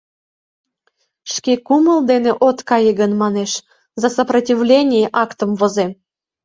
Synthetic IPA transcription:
ʃkekuməld̪eneʔot̪kɑjəɣənmɑneʃ | zɑsəprɐtʲivlʲenʲijeʔɑkt̪əmvoze

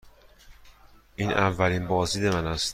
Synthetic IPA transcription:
ʔiːnʔævːæliːnbɒːziːd̪e̞mænæst̪

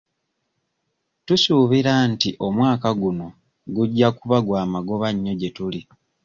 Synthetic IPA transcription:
tusuːβiɾantiʔo̞mwaːkaɡuno̞ | ɡuɟːakuβaɡwaːmaɡo̞βaɲːo̞ɟe̞tuli

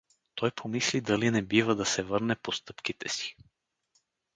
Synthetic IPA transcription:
t̪ɔjpʰomislid̪ɐlinɛbivəd̪ɐsɛvɤɾnɛpost̪ɤpkit̪ɛsi̥

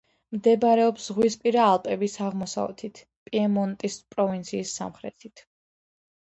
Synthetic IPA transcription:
md̪ɛbaɾɛɔpszʁwispʼiɾaːlˠpʼɛbisaʁmɔsa̰vɛ̰t̪ʰit̪ʰ | pʼiɛmɔnt̪ʼispʼɾɔvint̪sʰiːsːa̰mχɾɛ̰t̪ʰit̪ʰ

